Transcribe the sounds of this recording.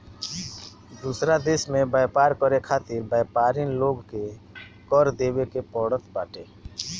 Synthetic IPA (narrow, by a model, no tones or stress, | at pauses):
d̪uːsɾad̪eːsmẽbaːjpaːɾkəɾekʰaːt̪ɪɾbaːjpaːɾinloːɡke | kɔːɾd̪eːwekepɔːɽət̪baːʈeː